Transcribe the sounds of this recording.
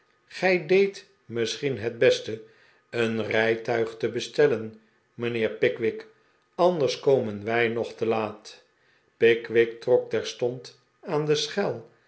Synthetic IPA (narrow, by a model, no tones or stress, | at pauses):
χɛjdejt | mɪsχinɦɛd̚bɛstə | ənrɛjtœɥχtəbəstɛlən | mənɪːɹpɪkʋɪk | ɑndəɹskowmənʋɛjnɔχtəlaːt | pɪkʋɪk̚trɔk̚tɛɹstɔnt | aːndəsχɛlˠ